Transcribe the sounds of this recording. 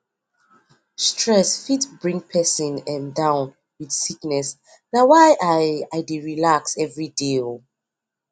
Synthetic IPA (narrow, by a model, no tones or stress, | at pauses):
stʰɹɛsfitbɹĩŋpʰɛsĩnɛ̃ndãʊ̃n | wiθsiknɛs | nawajʔaajdeɹilaksɛvɹidel